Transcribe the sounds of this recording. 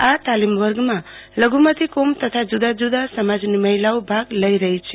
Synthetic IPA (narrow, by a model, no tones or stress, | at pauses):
at̪alimʋəɾɡmãləɡumət̪ikomt̪ət̪ʰad͡ʒud̪ad͡ʒud̪asəmad͡ʒniməɦilawbʱaɡləiɾəɦit͡ʃʰe